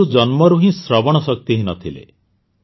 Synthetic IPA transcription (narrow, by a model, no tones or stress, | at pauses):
ud͡ʒɔnmɔɾuɦĩsɾɔbɔɽ̃ɔsɔkt̪iɦĩnɔt̪ʰilḛ